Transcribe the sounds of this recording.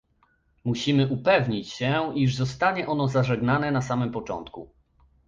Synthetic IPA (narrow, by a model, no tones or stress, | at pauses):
muɕimɘʔupɛvɲit͡ɕɕɛʔiʐzɔst̪aɲɛʔɔn̪ɔzaʐɛɡnanɛnasamɘmpɔt͡ʂɔ̰nt̪ku